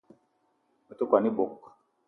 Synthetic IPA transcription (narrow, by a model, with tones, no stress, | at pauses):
me˨t̪o˦kwa˨ni˦bo˨k